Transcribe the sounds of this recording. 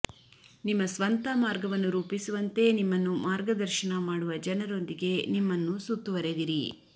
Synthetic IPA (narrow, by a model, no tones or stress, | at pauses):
nimːɐsʋɐnt̪ɐmaːɾɡɐʋɐnːuɾuːpisuʋɐnt̪e̞nimːɐnːumaːɾɡɐd̪ɐɾʃɐnɐmaːɽuʋɐd͡ʒɐnɐɾo̞nd̪iɡe̞nimːɐnːusut̪ːuʋɐɾed̪iɾi